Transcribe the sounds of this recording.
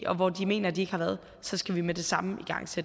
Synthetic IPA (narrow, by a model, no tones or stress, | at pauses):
ʔɒ̽ʋɒd̥ime̝̰ːnɐd̥ie̝ɡ̥əhɑ̈ʋæːɐð̩ˠ | sɒ̽sɡ̥æʋimed̥e̝sɑ̈məiɡ̥ɑ̈ŋ̰sed̥